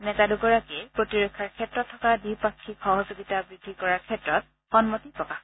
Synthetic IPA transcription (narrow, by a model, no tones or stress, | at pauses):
nɛzaduɡɔɹakɛpɹotiɹokʰːaɹkʰɛtɹɔtʰːɔkadipakʰːikxɔɦɔzoɡitabɹidʱːikɔɹaɹkʰɛtɹɔt̚ | xɔnmɔtipɹɔkax